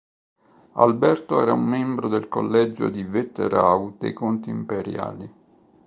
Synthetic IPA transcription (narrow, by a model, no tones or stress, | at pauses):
albɛrt̪oɛ̰ːɾaumːɛmbɾod̪elko̰lːɛd͡ʒo̰d̪ivet̪ːḛɾawd̪̥ḛjkont̪iːmpeɾja̰ːli